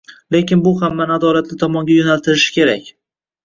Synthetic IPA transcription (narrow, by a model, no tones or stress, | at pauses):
le̞kʲɪnbʊhamːanad̪ɒlat̪lɪt̪ʰɒmɒŋɡʲajonalt̪ʰɪɾɪʃɪ̥kʲʰe̞ɾakʲ